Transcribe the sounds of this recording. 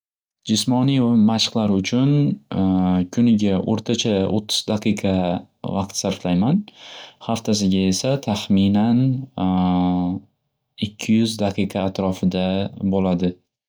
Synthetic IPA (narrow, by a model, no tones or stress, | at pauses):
d͡ʒɪsmɒnijvamaʃqlˠaɾʊt͡ʃʰʊn | kʲʰʊnɪɡʲaʔo̰ɾt̪ʰat͡ʃʰaot̪ʰːʊ̥z̥d̪aqʰɨjqʰɑ | vɑq̚t̪saɾflajmanhaft̪ʰas̬ɪɡʲae̞sat̪ʰaχmɪnan | ɪkʲʰːɪjʊzd̪aqʰɨjqʰɑːt̪ɾɒfɪd̪abolad̪ɪ